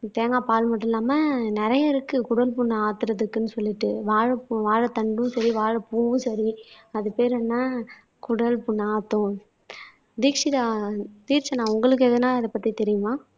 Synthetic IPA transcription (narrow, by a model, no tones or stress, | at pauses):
t̪eːŋɡaːpaːlmɐʈːɪlːaːmɐnɛɾɐjɐɾɯkːɯkʊɽɐlpʊɳːaːt̪ːɯɾɐðɯkːɯnːɯsɔlːɪʈːɯʋaːɻɐpʋaːɻɐt̪ɐɳɖɯ̃sɐɾiʋaːɻɐpuːɯ̃sɐɾiɐðɯpeːɾɐnːaː | kʊɽɐlpʊɳːaːt̪ːʊ̃ | d̪iːkʂɪðaːt̪iːɾt͡ʃːɐnãːʊŋɡɐɭɯk̬ːɯɛðɐnãːɐðɐpɐt̪ːit̪ɛɾɪjɯmaː